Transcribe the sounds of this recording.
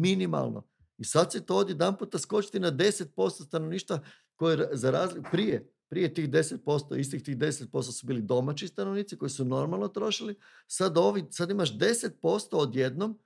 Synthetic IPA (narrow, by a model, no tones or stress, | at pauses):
minima̰lˠnʔo̞̰ | isad̪sit̪ood̪jeed̪ampuːt̪asko̞t͡ʃi̥t̪inad̪e̞se̞t̪̚po̞st̪ost̪ano̞ʋniːʃt̪ʋa | ko̞jeɾzaɾaːzlipɾije | pɾije̞t̪iːxd̪e̞set̪̚po̞st̪o̰ist̪it̪iːxd̪e̞set̪̚po̞st̪osubiːlid̪o̞mat͡ʃt͡ɕist̪anoʋniːt̪siko̞jisuno̞ɾmalˠno̞t̪ɾo̞ʃili | sad̪o̞ʋisad̪imaʃd̪e̞se̞t̪̚po̞st̪o̞ːd̪je̞d̪no̞m